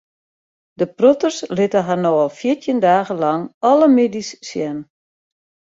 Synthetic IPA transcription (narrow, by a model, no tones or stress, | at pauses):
dəprotərslɪtəɦanoalˠfjitʰjəndaːɣəlɑŋɔləmedisːjɛn